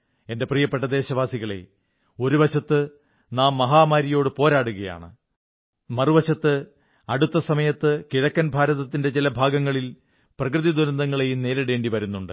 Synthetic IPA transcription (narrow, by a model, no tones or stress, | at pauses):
e̞nde̞priːjɐpːeʈ̬ːɐd̪e̞ːɕɐʋaːsiɣɐɭe̞̰ | o̞ɾuʋɐɕɐt̪ːɨ | naːmːɐɦaːmaːɾijo̞ːɽɨpo̞ːɾaːɽuɣɐja̰ːɳɨ | mɐruʋɐɕɐt̪ːɨ | ɐɽut̪ːɐsɐmɐjɐt̪ːɨkiɻɐkːɐnbʱaːɾɐðɐt̪ːinde̞t͡ɕilɐbʱaːɡɐŋːɐɭil | prɐk̬rɨðid̪uɾɐnd̪ɐŋːɐɭe̞jumne̞ːɾɐɽe̞ːɳɖiʋɐɾunːuɳɖɨ